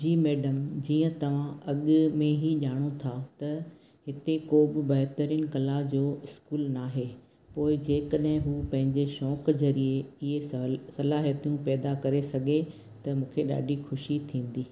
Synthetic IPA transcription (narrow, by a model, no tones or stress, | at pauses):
d͡ʑiːmɛːɖəmd͡ʑiːə̃t̪ɐʋ̤ãɐɠmẽɦiʄaːɽ̃ot̪ʰat̪ɐ | ɦɪt̪ekoːbɪbɐɦt̪əɾiənɪ̆kɐlad͡ʑoːɪskuːlnaːɦe | poːɪd͡ʑeːkəɗɦɪ̃ɦuːpɐ̃ɦɪ̃ɲd͡ʑeʃɔːkzɐɾieɪɦesɐlaːɦiət̪ijũpɛːd̪akɐɾesɐɡʱe | t̪ɐmũːkʰeɗa̰ːɖʱixʊʃit̪ʰĩːn̆d̪iː